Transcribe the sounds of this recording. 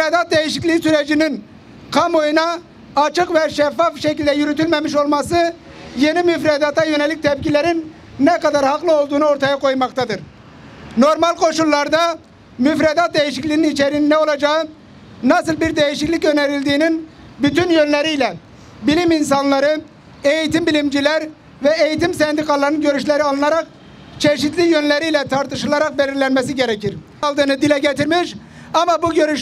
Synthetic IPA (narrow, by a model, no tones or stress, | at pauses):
yfɾed̪at̪̚d̪ejiʃiclʲisyɾed͡ʒinin | kʰamo̞junaː | t͡ʃʰɯkvɛʃɛfːafʃecilʲd̪ɛjyɾyt̪ʰylʲmemiʃo̞lˠmasɯ | je̞nimyfɾed̪at̪ajø̞nelʲic̚ʲt̪ʰɛpcilʲeɾinː | ɛkad̪aɾhaqlˠɯo̞lˠd̪uːnuo̞ɾt̪ʰajakʰo̞jmakt̪ʰad̪ɯɾ | no̞ɾmalʲˠkʰo̞ʃulˠːaɾd̪a | myfɾed̪at̪̚d̪e̞jiʃiclʲiːninit͡ʃeɾininɛo̞lˠad͡ʒaɯ | nasɯlˠbiɾd̪e̞jiʃiclʲicø̞neɾilʲd̪iːnin | byt̪ynjønlʲeɾijlʲɛ | bilʲimins̬anlˠaɾɯ | e̞jit̪imbilʲimd͡ʒilʲæɾ | vɛejit̪imsɛnd̪ikʰalˠːaɾnɯnɟø̞ɾyʃlʲeɾialˠɯnaɾak̚ | t͡ʃʰeʃit̪lʲijønlʲeɾijlʲɛt̪ʰaɾt̪ʰɯʃɯlˠaɾak̚belʲiɾlʲænmɛs̬iɟeɾɛciɾ | lˠd̪ɯːnɯd̪ilɛɟet̪ʰiɾmiʃ | amabuɟø̞ɾyʃ